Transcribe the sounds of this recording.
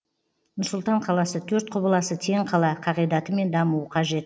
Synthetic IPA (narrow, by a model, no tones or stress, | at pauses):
nʊsʊlˠt̪ɑɴqʰɑlˠɑsət̪ʰɵɾt̪̚qʰʊbəlˠɑsət̪ʰe̞ɴqʰɑlˠɑqʰɑʁijd̪ɑt̪əme̞nd̪ɑmuwəqʰɑʒe̞t̪